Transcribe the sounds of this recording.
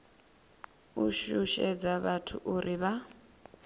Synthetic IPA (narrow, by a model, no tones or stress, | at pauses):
uʃuʃɛd͡zaβatʰṵʔuɾiβa